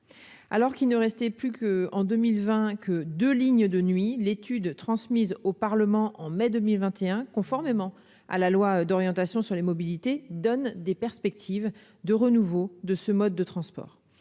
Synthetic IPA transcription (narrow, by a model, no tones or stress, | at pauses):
a̰lɔʁkilnəʁɛst̪ɛplykəɑ̃d̪ømilvɛ̃kʰəd̪øliɲd̪ənɥilet̪yd̪t̪χɑ̃smizopaʁləmɑ̃ʔɑ̃mɛd̪ømilvɛ̃t̪eɛ̃kɔ̃fɔʁmemɑ̃ | a̰lalwad̪ɔʁjɑ̃t̪asjɔ̃syʁlemɔbilit̪ed̪ɔnd̪epɛʁspɛk̚t̪ʰiv | d̪əʁənuvod̪əsəmɔd̪ːət̪χɑ̃spɔ̰ːʁ